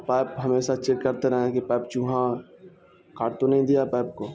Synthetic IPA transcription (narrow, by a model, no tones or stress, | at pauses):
paːpɦɐmeːʃat͡ʃekːəɾt̪eɾəɦẽkipaːp̚t͡ʃũːɦã | kaːʈt̪onɐɦĩd̪ijapaːp̚koː